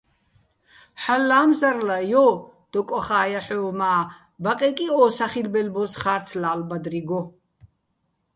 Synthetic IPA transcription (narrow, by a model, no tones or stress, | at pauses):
ħalːaːmzaɾlajɔd̪̥ɔkʼɔχaːjaħɔmaː | baqʼɛkʼiɔːsaχilbɛlbɔsχaɾsʰlaːlbad̪riɡɔ